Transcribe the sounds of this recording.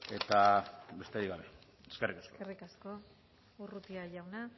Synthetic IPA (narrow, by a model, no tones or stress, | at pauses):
e̞t̪abe̞st̪eɾiɣɡaβe̞ | eskerikaskkoerikasko̞ | urut̪iaʝawna